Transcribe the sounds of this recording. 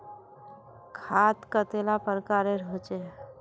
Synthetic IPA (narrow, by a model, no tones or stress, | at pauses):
kʰaːt̪kət̪elapəɾkaːɾeɾot͡ʃe